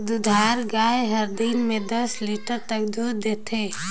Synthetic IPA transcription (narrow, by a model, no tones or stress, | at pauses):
d̪ud̪ʱaɾɡaeɦəɾd̪inmẽd̪əsliʈəɾt̪əkd̪uːɾd̪et̪ʰe